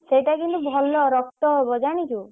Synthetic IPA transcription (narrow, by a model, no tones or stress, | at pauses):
seʈakint̪ubʱɔlːɔɾɔk̚t̪ɔɦebɔd͡ʒaɽ̃it͡ʃʰu